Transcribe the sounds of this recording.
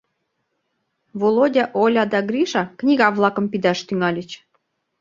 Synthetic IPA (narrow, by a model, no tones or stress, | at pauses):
volˠodʲɑʔolʲɑd̪ɑɡrʲiʃɑknʲiɣɑβlˠɑkə̆mpid̪ɑʃt̪yŋɑlʲə̆t͡ɕ